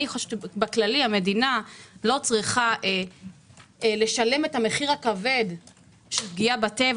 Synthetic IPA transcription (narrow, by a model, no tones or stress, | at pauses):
iχoʃbaklalihame̞dinalo̞t͡sʁiχaʔe | leʃale̞me̞thame̞χiʁakave̞d | ʃeɡiabate̞v